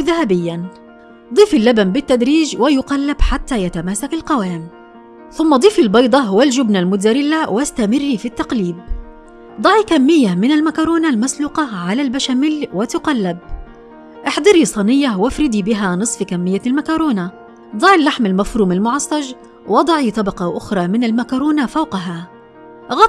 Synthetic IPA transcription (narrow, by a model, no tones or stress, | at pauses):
ðahabɪjːan | d̪ˤiːfɪlːabanbɪt̪ːad̪ɾiːʒwɪjʊqɑlːɪbħat̪ːaːjat̪amaːsakalqɑwaːm | θʊmːɑd̪ˤiːfɪlbɑjd̪ˤɑɦʊwalʒʊbnalmʊzaɾɪlːawʔast̪amɪrːifit̪ːɑqliːb̚ | d̪ˤɑʕikamːɪjːamɪnalmakɑɾˤoːnalmasluːqɑʕalalbaʃamɪlwɪt̪ʊqɑlːab̚ | ʔɪħd̪ˤɑɾiːsˤɑnɪjːawafɾɪd̪iːbɪɦanɨsˤfkamːɪjːalmakɑɾˤoːna | d̪ˤɑʕilːaħmalmafɾuːmalmʊʕɑsˤːɑʒ | wɑd̪ˤɑʕit̪ˤɑbɑqɑʔʊxɾˤɑːmɪnalmakɑɾˤuːnafawqɑɦa | ɣɑ